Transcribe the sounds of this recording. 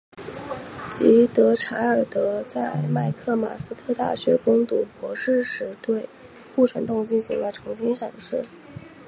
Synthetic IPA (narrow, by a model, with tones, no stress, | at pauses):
t͡ɕi˧˥t̪ɤ˧˥ʈ͡ʂʰa˧˥ə˞˨˩t̪ɤ˧˥t͡sa˥˧ɪma˥˩ɪkʰɤ˥˩ma̰˨˩sɹ̩˥t̪ʰɤ˥˧t̪a̰˥˩ɕɥɛ˧˥kʊ˥ŋt̪u˨˥˩pwɔ˧˥ʂɻ̩˥˩ʂɻ̩˧˥t̪we˥˧ɪ | ku˥˩ʈ͡ʂʰə˧˥nt̪ʊ˥˧ŋt͡ɕi˥˩nɕi˧˥ŋd̪ə˧ʈ͡ʂʰɤ˧˥ŋɕi˥nʂɑ˨˩ŋʂɻ̩˥˩